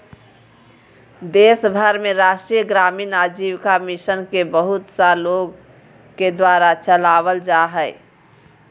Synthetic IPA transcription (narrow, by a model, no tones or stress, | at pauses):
d̪esbʱəɾmeɾaʃʈɾijəɡɾaminad͡ʒiwkamisənkebəɦut̪saloɡ | ked̪waɾat͡ʃəlaβəld͡ʒaɦəɪ